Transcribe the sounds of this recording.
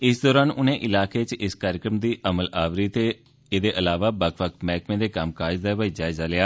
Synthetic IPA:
ɪsd̪ɔːɾaːnʊnẽːʔɪlaːkeːt͡ʃɪskaːɾɪkɾəmd̪iːʔəməlaːʋɾiːt̪eː | eːd̪eːʔəlaːʋaːbəkʰʋəkmɛːkmẽːd̪eːkəmkaːd͡ʒd̪aːbaid͡ʒaːɪzaːlɪaː

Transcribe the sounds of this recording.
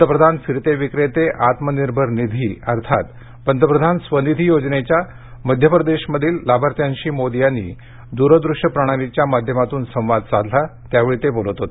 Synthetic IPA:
əəpɾəd̪ʱanfiɾt̪eʋikɾet̪eʔat̪məniɾbʱəɾnid̪ʱiəɾt̪ʰat̪ | pənd̪ʱəpɾəd̪ʱansʋənid̪ʱijod͡ʑnet͡ɕja | məd̪ʱjəpɾəd̪eɕməd̪ʱiːllabʱaɾt̪jaɲɕiːmod̪ijanːḭ | d̪uɾəd̪ɾuʂjəpɾəɽ̃aɾit͡ɕjamad̪ʱjəmat̪uːnsə̃w̃ʋad̪̚t͡sad̪ʱlat̪jaʋeɭit̪ebolət̪ɦot̪

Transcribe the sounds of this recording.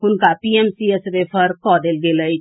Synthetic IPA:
ɦʊnkapiemsiesɾepʰəɾkɔd̪elɡeləjt͡ʃ

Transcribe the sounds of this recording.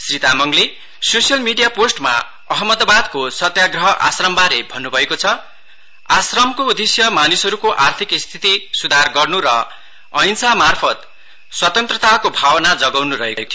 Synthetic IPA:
srit̪amʌŋɡli | sosjʌlmiɖijaposʈma̰ | ʌɦʌmːʌd̪bad̪kosʌt̪jaɡrʌɦʌʔa̰srʌmbaɾebʱʌnːubʱʌekot͡sʰʌ | asrʌmkoud̪esjʌmanisʌɾukoʔart̪ʰikist̪ʰit̪isud̪ʱarɡʌrnuɾʌ | ʌjnsamarpʰʌt̪ | swʌt̪ʌnt̪rʌt̪akobʱawʌnad͡zʌɡawnuɾʌ̰ɦekɦekt̪ʰ

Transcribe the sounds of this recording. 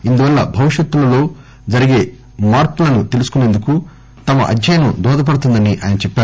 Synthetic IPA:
ind̪uʋɐlːɐbʱɐʋiʃjɐt̪ːulɐlo̞ː | d͡ʒɐɾiɡe̞ː | maːɾpulɐnut̪e̞lusu̥kune̞ːnd̪uku | t̪ɐmɐ̰ʔɐ̰d͡ʒɐjɐnud̪ɔːd̪ɐp̬ɐɽut̪̬und̪ɐniʔa̰ːjɐnɐt͡ʃɛpːaːɾu

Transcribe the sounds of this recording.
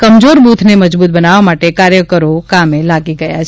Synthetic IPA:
kəmd͡ʒoɾbut̪ʰneməd͡ʒbut̪̚bənaʋamaʈekaɾjəkəɾokamelaɡiɡəja̰t͡ʃʰ

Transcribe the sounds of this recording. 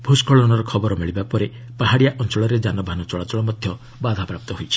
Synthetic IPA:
bʱuskɔɭɔnɔɾɔkʰɔbɔɾɔmiɭibapɔɾe | paɦaɽijaʔɔnt͡ʃɔɭɔɾed͡ʒanɔbʱanɔt͡ʃɔɭat͡ʃɔɭɔmɔd̪ʱjɔ | bad̪ʱapɾap̚t̪ɔɦojt͡ʃʰi̥

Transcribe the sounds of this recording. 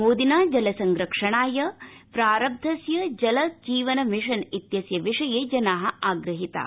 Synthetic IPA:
moːd̪inaːd͡ʒɐlɐsɐŋɡɾɐkʂɐɳaːjɐpɾaːɾɐb̚d̪ʱɐsjɐd͡ʒɐlɐd͡ʒiːʋɐnɐmiʂɐnit̪jɐsjɐʋiʂɐjeːd͡ʒɐnaːɦɐ̆aːɡɾɐɦit̪ɐ̰

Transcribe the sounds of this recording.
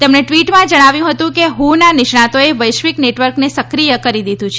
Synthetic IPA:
t̪emɳeʈʋiʈmãd͡ʒəɽ̃aʋjũɦət̪ũkeɦũnanɪʃɳãt̪oeʋəjʃʋikneʈʋəɾknesəkɾijəkəɾid̪id̪ʱũt͡ʃʰe

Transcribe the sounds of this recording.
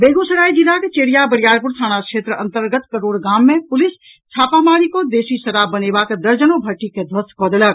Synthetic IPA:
beːɡosəɾaːid͡ʒilaket͡ʃeːɽijabəɽijaːɾpuɾt̪ʰaːñakʃʰeːt̪ɾəʔənt̪əɾɡət̪kəɾoːɽɡaːmːẽpʊlɪs | t͡ʃʰaːpamaːɾikod̪eːsisəɾabənebakd̪əɾd͡ʒənobʱəʈiked̪ʱʋəskɔːd̪elək̚

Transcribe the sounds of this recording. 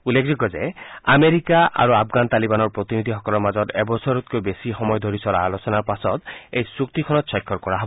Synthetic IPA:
ulːekʰd͡ʑikɔzea̰meɾikaʔa̰ɾuapʰɡant̪alibanɔɹpɹɔt̪inid̪ʱiɦɔkɔlɔɹmazɔt̪ebɔsɔɾut̪̚kojbesixɔmɔjɔd̪ʱoɾisɔɾa̰ːlosɔnaɹpasɔt̪ejsukt̪ikʰɔnɔt̪sɔjkʰːɔɾkɔɹaɦɔbɔɔ

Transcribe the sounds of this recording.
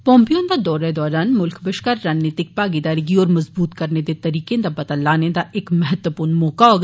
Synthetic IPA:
pɔ̃ːmpijõnd̪ad̪ɔːɾaed̪ɔːɾaːnmʊlkbɪʃkɐɾːaːnnːeːt̪ɪk̚paːɡed̪aːɾiɡiɔːɾmɐzbuːt̪kɐɾned̪et̪ɐɾiːkẽd̪abɐt̪alːaːnẽd̪aʔeːkmɐɦɛt̪wəpuːɾnmɔːkaoɡ

